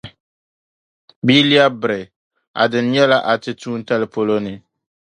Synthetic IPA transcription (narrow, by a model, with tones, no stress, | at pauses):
biː˦li˦a˦bɪ˨ɾɪ˨ | a̰˨dɨ˨n˦ɲɛ˦la˦ʔa˨tɨ˦tuː˦n̩˦ta˦lɪ˦po˦lo˦nɨ˨